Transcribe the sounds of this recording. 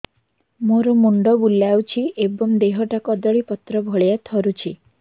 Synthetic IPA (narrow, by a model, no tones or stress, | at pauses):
moɾumuɳɖɔbulawt͡ʃʰiʔebɔŋd̪eɦɔʈakɔd̪ɔɭipɔt̪ɾɔbʱɔɭjat̪ʰɔɾut͡ʃʰi